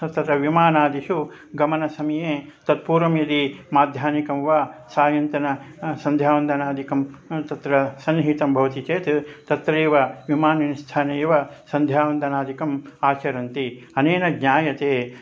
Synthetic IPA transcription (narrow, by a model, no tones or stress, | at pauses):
ɐt̪ɐt̪ɾɐʋimaːnaːd̪iʃu | ɡɐmɐnɐsɐmɐjeːt̪ɐt̪̚puːɾʋɐmjɐlimaːd̪ʱjaːnikɐmʋaːsaːjɐnt̪ɐnɐ | sɐnd̪ʱjaːʋɐnd̪ɐnaːd̪ʱikɐmt̪ɐt̪ɾɐsɐnɦiːt̪ɐmbʱɐʋɐt̪it͡ʃeːt̪t̪ɐt̪ɾeːʋɐʋimaːnɐnist̪ʰaːnɐjʋɐsɐnd̪ʱjaːʋɐnd̪ɐnaːd̪ikɐmaːt͡ʃɐɾɐnt̪iɐneːnɐɡɲaːjɐt̪eː